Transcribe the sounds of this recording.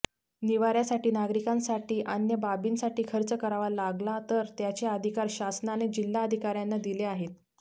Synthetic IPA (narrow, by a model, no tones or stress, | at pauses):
niʋaɾjasaʈiːnaɡɾikãnsaʈiːʔənjəbabiːnsaʈiːkʰəɾt͡səkəɾaʋalaɡlat̪əɾt̪jat͡ɕeəd̪ʱikaɾɕasnaːned͡ʑilːaəd̪ʱikaɾjanːad̪ileaɦet̪̚